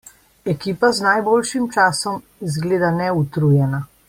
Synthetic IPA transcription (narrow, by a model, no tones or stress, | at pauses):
ɛkiːpaznajboːlʃimt͡ʃaːsɔm | zɡleːd̪anɛut̪ɾujɛna